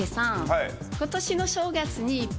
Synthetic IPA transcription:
esãŋai | ko̞t̪o̞ɕino̞ɕo̞ːɡat͡sɨɲ̟iːpː

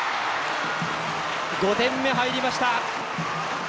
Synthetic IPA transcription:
ɡo̞t̪ẽ̞mːe̞ɦaiɾʲimaɕi̥t̪a

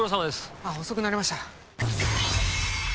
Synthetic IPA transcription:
os̬amad̪esaɦo̞so̞kɯ̟naɾʲimaɕi̥t̪a

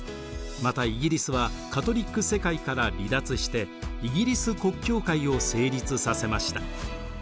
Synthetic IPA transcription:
mat̪aiɡʲiɾʲisɨβakat̪o̞ɾʲikːɯ̟se̞kaikaɾabʲid̪at͡sɨɕi̥t̪e̞iɡʲiɾʲisɨko̞kʲːo̞ːkaio̞se̞ːɾʲit͡sɨsase̞maɕi̥t̪ḁ

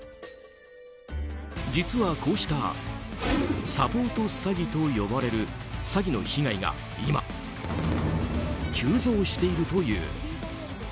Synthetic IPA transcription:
d͡ʑit͡sɨβakʰo̞ːɕi̥t̪a | sapo̞ːt̪o̞saɡʲit̪o̞jo̞baɾe̞ɾɯ̟saɡʲino̞̰çiŋaiɡa̰ | ima̰ | t͡ɕɨːzo̞ːɕi̥t̪e̞iɾɯ̟t̪o̞jɯ̰ː

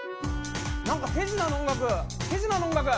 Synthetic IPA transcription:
naŋkɯpʰezɯnanɔŋlaɡɯpʰezɯnanɔŋlaɡɯ

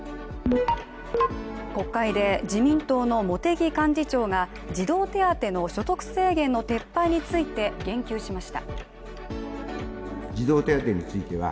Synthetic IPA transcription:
ko̞kːaid̪e̞d͡ʑimʲĩnt̪o̞ːno̞mo̞t̪e̞ɡʲikãɲ̟d͡ʑit͡ɕo̞ːɡa | d͡ʑid̪o̞ːt̪e̞at̪e̞no̞ɕo̞t̪o̞kɯ̟̥se̞ːɡẽ̞nːo̞t̪e̞pːaiɲ̟it͡sɨit̪e̞ɡẽ̞ŋkʲɨːɕimaɕi̥t̪a̰ | d͡ʑid̪o̞ːt̪e̞at̪e̞ɲ̟it͡sɨit̪e̞βa̰

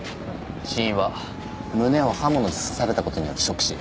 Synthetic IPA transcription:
ɕĩɰ̃βa | mɯ̟ne̞o̞hamonoi̥ssaɾe̞t̪ako̞t̪o̞ɲ̟ijo̞ɾɯ̟ɕo̞kɯ̥ɕi

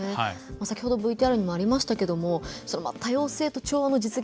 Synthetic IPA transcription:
emasakʲi̥ho̞d̪obɯ̟it̪eaɾɯ̟ɲ̟imo̞aɾʲimaɕi̥t̪ake̞d̪o̞mo̞so̞no̞mat̪ʰajo̞ːse̞ːt̪o̞t͡ɕo̞ːβano̞d͡ʑit͡sɨɡʲ

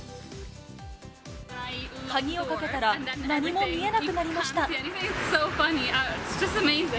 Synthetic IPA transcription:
haɡʲio̞kake̞t̪aɾãnaɲ̟imo̞mʲie̞nakɯ̟naɾʲimaɕi̥t̪ãsoʊfʌniasd̥ʒ̥ʌstɨmeɪzɪ̃

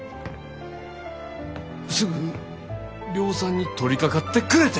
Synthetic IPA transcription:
sɨɡɯ̟ɲi | ɾʲo̞ːsãɲ̟ːit̪o̞ɾʲikakat̪ːe̞kɯ̟ɾe̞t̪e

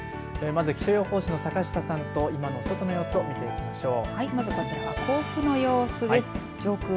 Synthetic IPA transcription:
emazɨkʲi̥ɕojo̞ːho̞ːɕino̞sakaɕi̥t̪asãnt̪o̞imano̞sot̪o̞no̞jo̞ːsɨo̞mʲit̪e̞ikʲi̥maɕo̞ːhaimazɨkasokakʰo̞ːɸkɯ̟no̞jo̞ːsɨd̪esɨ̥ | d͡ʑo̞ːkɯ̟

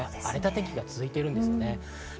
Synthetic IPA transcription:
aɾe̞t̪at̪e̞kʲiɡat͡sɨzɨit̪e̞ɾɯ̟nd̪e̞sɨjone̞

